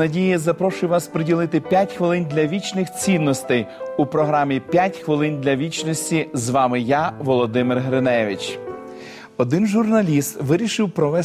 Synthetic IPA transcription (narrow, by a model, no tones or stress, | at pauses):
ɐdʲijizɐpɾɔʃʊjʊʋɑspɾɪdʲilˠɪt̪ɪpʲjatʲxʋɪlˠɪnʲd̪lʲɐʋʲit͡ʃnɪxt͡sʲinːɔst̪ɛjupɾɔɦɾɑmʲipʲjatʲxʋɪlˠɪnd̪ʲlʲɐʋʲit͡ʃnɔsʲtʲizʋɑmɪjaʋɔlˠɔd̪ɪmɪrɦɾenɛʋʲit͡ʃ | ɔd̪ɪnʒʊrnɐlʲist̪ʋɪɾʲiʃɪwpɾɔʋɛ